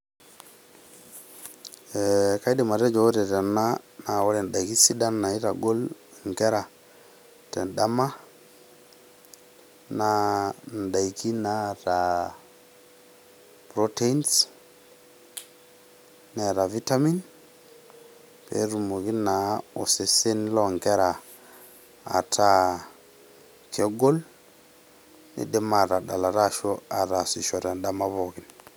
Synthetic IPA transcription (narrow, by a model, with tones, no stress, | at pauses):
e˨ka˦jde˨ma˨ɾe˦d͡ʒo˨o˦te˨ta˨nːa˦na˨wa˦le˨n˨ɗa˨ki˦si˦da˦nːa˨i˦ɾa˨ɡo˦l | ŋ˨ke˦ɾa˨ | te˨nɗa˦ma˦ | na˨n˨da˨jki˦na˨˦ɾa˨ | pɾo˦te˦i˦ns | nɛ˦˨ɾa˨vi˦ta˦mi˦n | pḛ˨˦ɾu˨mo˨ɣi˦na˨˦o˨se˨se˦n˦lɔ˨ŋɡɛ˦ɾa˨ | tʰa˦ | kʰɔ˦ɡo˦l | nḛ˨dɛ˦ma˨ɾa˨ɗa˨la˨ɾa˦˨ʃɔ˦a˨ɾa˨si˨ʃɔ˨ɾa˨n˦da˦ma˦βo˨ɣi˦n